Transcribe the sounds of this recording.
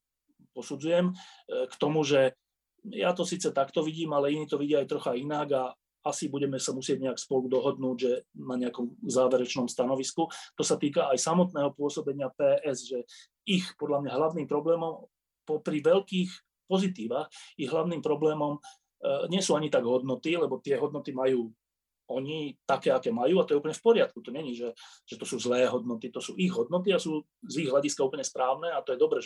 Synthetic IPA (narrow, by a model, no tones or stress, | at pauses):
pɔsud͡zujɛmkt̪ɔmuʒɛ | jat̪ɔsiːt͡sɛt̪akt̪ɔʋiɟiːmalɛiniːt̪ɔʋiɟiajt̪ɾɔxainaɡa | asibuɟɛmɛsamusɪɛɟɲɛakspɔlud̪ɔɦɔd̪nuːɟʒɛnaɲɛakɔmzaːʋɛɾɛt͡ʃnɔmst̪anɔʋiskut̪ɔsat̪iːkaːjsamɔt̪nɛːɦɔpʊɔsɔbɛɲɪapɛːʔɛzʒɛ | ixpɔd̪lamɲaɦlaʊniːmpɾɔblɛːmɔm | pɔpɾiʋɛʎkiːx | pɔzit̪iːʋaxiɣɦlaʊniːmpɾɔblɛːmɔm | ɲɪɛsuːaɲit̪aɡɦɔd̪nɔt̪ilɛbɔt̪ɪɛɦɔd̪nɔt̪imajuː | ɔɲit̪akɛːakɛːmajuːat̪ɔjɛuːpəlɲɛfpɔɾɪat̪̚kut̪ɔɲɛɲiʒɛʒ̥ɛt̪ɔsuːzlɛːɦɔd̪̚nɔt̪it̪ɔsṵːʔiɣɦɔd̪̚nɔt̪iasuː | ziɣɦlaɟiskauːplɲɛspɾaːʊnɛːat̪ɔjɛd̪ɔbɾɛː